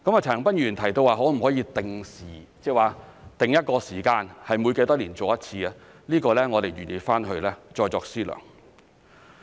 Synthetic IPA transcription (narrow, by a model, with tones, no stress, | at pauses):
kɐ˨˥ma˨t͡sʰɐː˨˩ŋpɐ˥njyː˨˩nt̪ʰɐ˨˩jt̪o˧waː˨ɦɔː˨˥m̩˨˩hɔː˨˥jiː˧t̪ɪ˨ŋsiː˨˩t͡sɛː˧waː˨t̪ɪ˨ŋjɐ˥t̚kɔː˧siː˨˩kaː˧nhɐ˨jmu˨˧jke˧t̪ɔː˥liː˨˩nt͡so˨wjɐ˥t̚t͡sʰiː˧ɐ˧ | liː˥kɔː˧lɛː˥ŋɔː˨˧t̪e˨jɥyː˨˩njiː˨˧faː˥nɦɵ˧lɛː˥t͡ʃɔː˧jt͡sɔː˧ksiː˥lœ̰ː˨˩ŋ